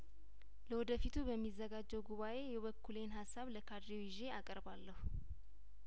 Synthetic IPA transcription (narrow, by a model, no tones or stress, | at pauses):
ləwɔd̪əfit̪ʰubəmːizːəɡad͡ʒːɛwɡuβaʔe̞jɛβəkʰːulenɦasːaβləkʰad̪ɾiwɪʒe̞akʼəɾbalːəhu